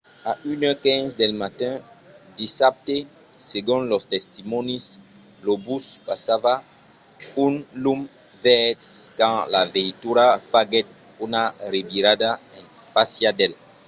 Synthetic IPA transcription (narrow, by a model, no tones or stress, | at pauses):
aʔynɔkɛ̃ŋsd̪elmat̪ɛ̃ | d̪isap̚t̪e | seɡũnlost̪est̪imɔ̃nis | lobuspasava | ũnlum | vɛtskãlavẽjt̪uɾafaɡɛt̪̚ | unarebiɾad̪aẽŋ | fasjad̪el